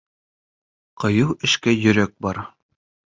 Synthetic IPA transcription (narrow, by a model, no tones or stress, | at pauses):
qɤ̆jɤwɘ̆ʃkæjɵ̆ɾæk̚bɑɾ